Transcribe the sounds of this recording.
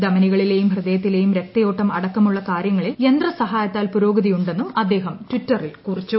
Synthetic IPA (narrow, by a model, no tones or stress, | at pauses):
d̪ɐmɐniɣɐɭile̞jumhrɨd̪ɐjɐt̪ːile̞jumɾek̚t̪ɐjo̞ːʈːɐmɐɽɐkːɐmuɭːɐkaːɾjɐŋːɐɭilend̪rɐsɐɦaːjɐt̪ːaːlpuɾo̞ːɡɐðijuɳɖe̞nːumɐd̪ːe̞ːɦɐmtwitːɐrilkurit͡ɕːu